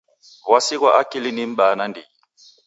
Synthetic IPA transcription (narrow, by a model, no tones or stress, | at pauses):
wasikwaʔakilinim̩ɓanandʱi